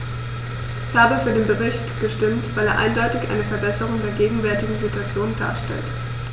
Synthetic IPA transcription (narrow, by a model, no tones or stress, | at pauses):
ʔʔɪçhaːbəfyːɐdeːnbəʁɪçtɡ̥əʃtɪmtv̥aɪleːɐʔa̰ɪndɔʏtɪçʔa̰ɪnəfɛɐbɛsəʁ̞ʊŋdeːɐɡeːɡŋ̩vɛɐtɪɡŋ̩zituat͡sjoːnnda̰ːɐʃtɛ̰lt